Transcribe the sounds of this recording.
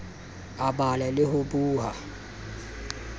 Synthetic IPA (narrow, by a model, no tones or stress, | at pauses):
abalɛlɪhʊbuːɦa